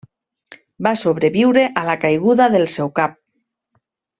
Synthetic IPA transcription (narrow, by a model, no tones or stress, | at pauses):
basoβ̞ɾeβiwɾeʔalakajɣuðaðelsɛwkap̚